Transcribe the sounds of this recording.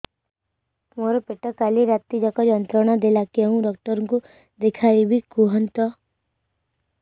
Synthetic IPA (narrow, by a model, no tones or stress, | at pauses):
moːɾepeʈəkaliɾat̪ːid͡ʒakɔd͡ʒənt̪ɾəɽ̃ad̪elakeəɦũɖɔːk̚ʈəɾŋku | d̪ɪkʰaːibʱikuɦənt̪ɔ